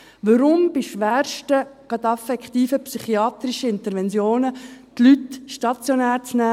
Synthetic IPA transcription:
ʋəɾʊmb̥iʃʋæːɾʃtəɡ̥ɑd̪ɑfɛkχt̪iːfəpsyχiɑːt̪ɾiʃəɪnt̪əɾʋɛnsjoːnət̪lyt̪ʃtɑt͡sjonæːɾt͡snæː

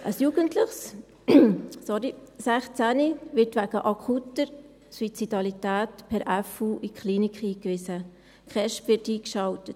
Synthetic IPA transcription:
ʔəsjuːɡ̥əntlɪχs | sɔɾisæχt͡sæniʋɪɾtʋæɡ̥əʔɑkʰutəɾ | swit͡sidɑlitæːtpʰɛɾʔæfuːʔikχliːnikχiːkʋɪsə | kʰɛʃtʋɪtiːkʃɑltət

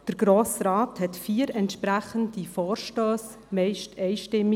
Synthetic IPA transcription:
d̥əɾɡ̥ɾoːsɾɑːthɛtfiːəɾɛntʃpɾæχəndifɔːɾʃtøːs | mɛɪʃtɛɪʃtɪmːi

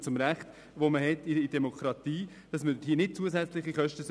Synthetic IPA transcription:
t͡sʊmɾæχt̪ | ʋoməhɛt̪iid̥ɛmokʰɾɑt̪iː | d̥ɑsməiːnɪt̚t͡suəsæt͡slɪχiχœʃtəs

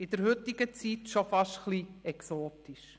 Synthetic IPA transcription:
ɪd̥̪əɾhʏtɪɡət͡sitʃofɑʃtχliɛksoːt̪iʃ

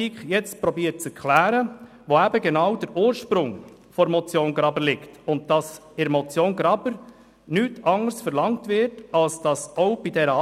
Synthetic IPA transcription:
ikχjɛt͡st̚pɾɔbiːət̚t͡sɛɾkʰlæːɾə | ʋoæbəɡɛnɑwd̥əɾuːɾʃpɾʊŋ | fɔɾmɔt͡sjoːnɡɾɑbəlɪktʊnt̚d̥ɑs | ɪɾmɔt͡sjoːnɡɾɑbəɾ | nyːtʰɑŋəɾsfəɾlɑŋtvɪɾtɑlsd̥ɑsɔʊb̥idɛɾə

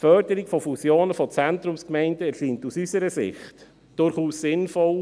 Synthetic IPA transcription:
fœɾdəɾiɡfɔfusjoːnəfɔt͡sɛntɾʊmskmɛɪndəɛɾʃiːntusysəɾəsɪ̰χt | d̥ʊɾχuːssɪnfɔl

